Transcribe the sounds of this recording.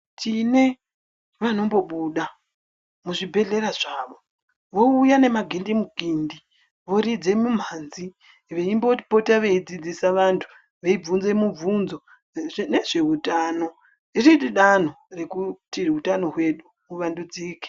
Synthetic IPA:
tine̞ | ʋano̞mbo̞ɓuɗa | muʐibʱe̞ɮe̞ɾaʐ̥aːʋo̞ | ʋo̞ujane̞maɡʱindimuɡʱiːndi | ʋo̞ɾid͡zemum̤aːnzi | ʋeimbo̞̥po̞taʋeid͡zid͡zisaʋantʰu̥ | ʋeib͡vunzemub͡vunzo̞ | ne̞ʐe̞utaːno̞ | iritiɗan̤o̞re̞kutirutano̞ɦwe̞ɗu | uʋandud͡ziːke̥

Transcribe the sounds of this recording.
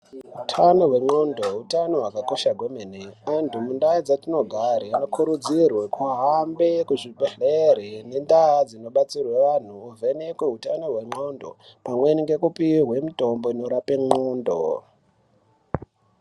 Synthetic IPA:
ɦutʰano̞ɦwe̞ŋ͡ǃondo̞ɦutano̞ɦwakako̞ʃaɡʱwomeneantʰumundaid͡zatino̞ɡʱaɾiano̞kʰuɾud͡zirwekuɦambe̞kuʐiɓeɮeɾene̞ndad͡zino̞ɓat͡sirweʋan̤uːvʱe̞nekweɦutano̞ɦwe̞ŋ͡ǃondo̞̰ | pamwe̞niŋɡe̞kupirɦwe̞mito̞mbo̞ino̞ɾapeŋ͡ǃoːndo̰

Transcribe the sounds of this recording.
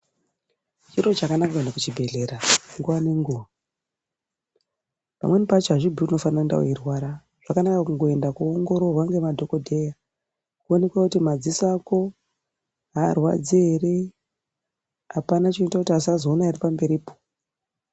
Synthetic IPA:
t͡ʃiɾo̞t͡ʃakanakakendakut͡ʃibʱe̞ɮe̞ɾaŋɡuʋane̞ŋɡuːʋa | pa̰mwe̞nipat͡ʃɦaʐibʱiuno̞fananda̰o̰irwaɾa | ʐ̥akanakakuŋɡoe̞ndakuoŋɡo̞ɾo̞rwaŋɡemadʱo̞ko̞dʱe̞ja | kuone̞kwakutimad͡zisako̞ | ɦa̰ːrwa̰d͡ziere | apanat͡ʃinotakutiasazo̞ːnaːripambe̞ɾiːpo̥

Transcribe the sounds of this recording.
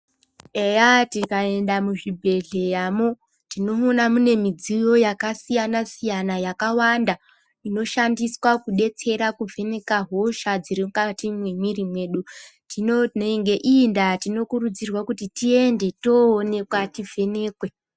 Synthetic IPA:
ejatikae̞ndamuʐibʱe̞ɮe̞jaːmo | tino̞onamune̞mid͡zijo̞jakasijanasijanajakawanda | ino̞ʃandiswakuɗe̞t͡se̞ɾakuvʱe̞ne̞kaɦo̞ʃad͡zirimukatimwemirimwe̞ːɗutinoneŋɡeʔindatino̞kurud͡zirwakutitie̞nde̞to̞ːne̞kwativʱe̞ne̞ːkwe̞

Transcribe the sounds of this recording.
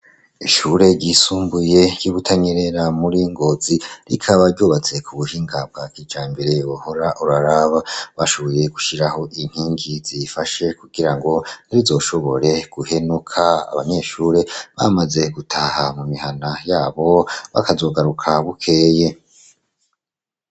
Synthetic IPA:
iʃuɾe̞ɟisuːmbuje̞ɟiβutʰaɲeɾe̞ɾamuɾiŋɡo̞ziɾḭkʰaβaɾɟoːβat͡se̞kuβuhiːŋɡab̚ɡakid͡ʒaːmbiɾe̞ohoɾaʔuɾaɾaβaβaʃo̞βo̞je̞ɡ̥uʃiɾaho̞ʔin̥hiːŋɡiz̥ifaʃe̞kuɡiɾaŋɡo̞niɾizo̞ʃo̞βo̞ɾe̞ɡ̥uhe̞nukʰaa̰βaɲe̞ːʃuːɾe̞βa̰maze̞ɡutʰahamumihanajaːβo̞βa̰kazo̞ːɡaɾukʰaβukʰe̞ːje̞

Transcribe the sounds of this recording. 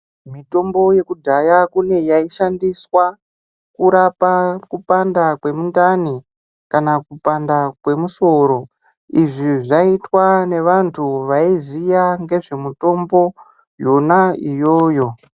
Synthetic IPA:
mito̞mbo̞je̞kudʱajakune̞jaiʃandiswa | kuɾapakupandakwe̞mundani | kanakupandakwe̞muso̞ɾo̞ | iʐiʐaitwane̞ʋantʰuʋaizijaŋɡe̞ʐe̞muto̞mbo̞ | jo̞naijo̞ːjo̞

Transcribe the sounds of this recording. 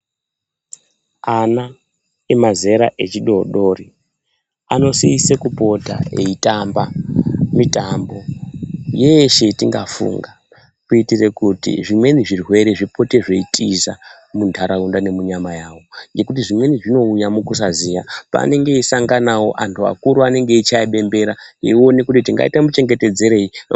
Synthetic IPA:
ana | emaze̞ɾa̰ʔe̞t͡ʃiɗo̞ɗo̞ri | ano̞siːsekupo̞ta̰eitambamitambo̞ | je̞ʃe̞tiŋɡafṵːŋɡa | kuitire̞kutḭʐimwe̞niʐirwe̞ɾe̞ʐipʰo̞te̞ʐe̞itʼiza̰ | muntʰaɾaundane̞muɲamajaːwo̞ŋɡe̞kutiʐimwe̞niʐino̞ujamukus̬azijapa̰ne̞ŋɡe̞isaŋɡanawo̞̰ʔantʰua̰kuɾuane̞ŋɡe̞it͡ʃaiɓe̞mbe̞ɾaio̞nekutitiŋɡa̰itamut͡ʃe̞ŋɡe̞te̞d͡ze̞ɾe̞i

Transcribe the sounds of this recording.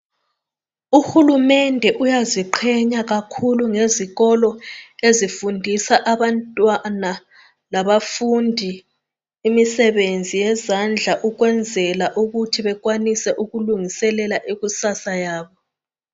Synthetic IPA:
uxulumɛndʱɛʔujaziǃʰɛɲaɣakʰuluŋeziɣɔlɔezifundʱisaʔaβantʼwana | laβafundʱi | imisɛβend͡zʱijɛzand͡ɮʱaʔuɣwɛnd͡zʱɛlaʔuɣutʰiβɛɣwanisɛʔuɣuluŋisɛlɛlaʔiɣusasajaːβɔ

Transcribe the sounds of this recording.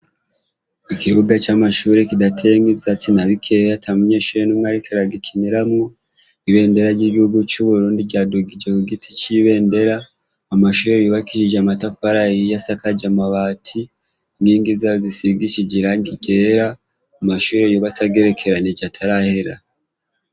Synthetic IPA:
ikiβuɡat͡ʃamaʃuːɾe̞kidatʰe̞ŋɡivjat͡sinaβikʰejatʰamuɲeːʃuɾenumŋaɾikʰaɾaɡikʰiniɾamŋo | iβe̞ːnde̞ɾaɾɟiɡihuɡut͡ʃuβuɾuːndiɟaːduɡid͡ʒekuɡitʰi̥t͡ʃiβe̞ːnde̞ɾaː | maʃuːɾejoβakihiʒamatafaɾajijasakaɟamaβaːtʰi | ŋɡiːŋɡizazisiɡit͡ʃiɟiɾaŋɡiɡe̞ːɾaː | maʃuːɾe̞joβat͡saɡe̞ɾe̞kʰe̞ɾaneɟatʰaɾaheɾa

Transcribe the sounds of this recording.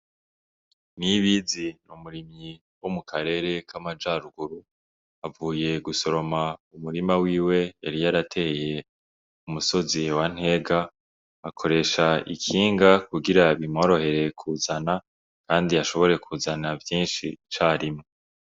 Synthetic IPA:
niβizinumuɾimɲi | womukʰaɾe̞ːɾe̞kʰamad͡ʒaɾuɡuɾu | avuːje̞ɡuso̞ɾo̞maumuɾimawiːwe̞aɾijaɾatʰe̞je̞ | umuso̞ziwan̥he̞ɡaː | kʰo̞ɾe̞ʃaḭkʰiːŋɡakuɡiɾaβimo̞ɾo̞he̞ɾe̞kʰuzana | kaːndiaʃo̞βo̞ɾe̞kʰuːzanavjiːnʃḭt͡ʃaːɾimŋe

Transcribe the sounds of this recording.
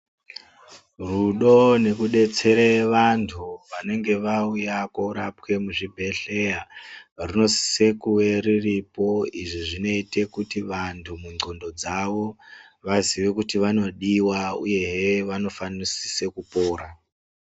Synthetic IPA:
ruɗo̞ne̞kuɗe̞t͡se̞ɾeʋantʰuʋane̞ŋɡe̞ʋaujakoɾap̚ke̞muʐibʱe̞ɬe̞jarino̞si̥se̞kuwe̞ɾiripo̞iʐiʐino̞ite̞kutiʋantʰumuŋ͡ǀʱondo̞d͡zaʋo̞ | ʋaziʋekutiʋano̞ɗiwaṵje̞ɦeʋano̞fanisi̥sekupoːɾa

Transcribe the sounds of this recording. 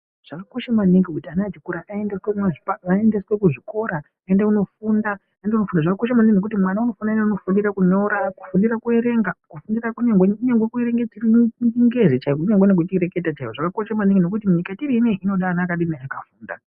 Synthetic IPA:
ʐ̥akako̞ʃemaniŋɡikutianatikuɾaʔaendeswekumaʐipaaendeswe̞kuʐiko̞ɾa | aendakuno̞funda | aendauno̞fundaʐakakoʃ̬amaniŋɡino̞k̬utimwanauno̞fndaenauno̞fundiɾakuɲoɾaku̥fundiɾakue̞ɾe̞ŋɡakufundirakuɲeŋɡweuɲeŋɡwekueɾe̞ŋɡet͡ʃirind͡ʒiŋɡezet͡ʃaiuɲeŋɡwenek̬utiɾe̞ke̞tat͡ʃaiwoʐakako̞ʃemaniŋɡino̞kutimuɲikatiɾineʔino̞ɗaːnakaɗinaakafuːnda̰

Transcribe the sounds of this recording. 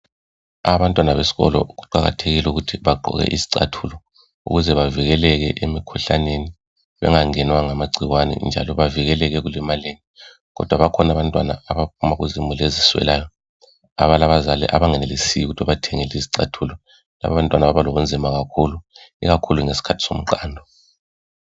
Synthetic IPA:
aβantʼwanaβesi̥ɣɔ̰lɔɣuǃaɣa̰tʰeɣilɛuɣutʰiβaǃɔ̰ɣɛ̰ʔiziǀa̰tʰulɔ | ṵɣuzɛβaviɣɛlɛɣɛ̰ʔemikʰuɬa̰neni | βɛ̰ŋaŋɛnwaŋamaɡ͡ǀʱiɣwanɛ̰nd͡ʒʱa̰lɔβaviɣɛlɛɣɛɣulɛmaleni | ɣɔ̰d̥ʱwaβakʰɔnaβantʼwanaaβap̚ʰumaɣuzimuleziswɛ̰lajɔ | a̰βalaβazalɛ̰ʔa̰βaŋɛnelisijuɣutʰiwaβatʰɛŋɛliziǀatʰulɔ | la̰βaβantʼwanaβaβaloβund͡zʱimaɣakʰuluḭɣakʰuluŋesi̥kʰatʰi̥so̰m̩ǃaːndʱɔ

